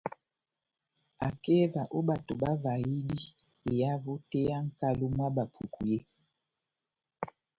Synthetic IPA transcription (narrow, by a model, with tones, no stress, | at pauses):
a˨ke˦va˨ʔo˦ɓa˨to˨ba˦va˨i˦di˦ | e˨ja˦vo˦te˦ja˦ŋ̩˦ka˦lo˦mwa˦ba˨pʰu˨ku˨je˦